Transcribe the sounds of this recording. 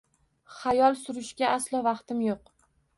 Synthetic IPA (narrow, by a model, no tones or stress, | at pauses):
χajɒlˠsʊɾɪʃɡʲaaslˠɒvɑqt̪ʰɪmjoq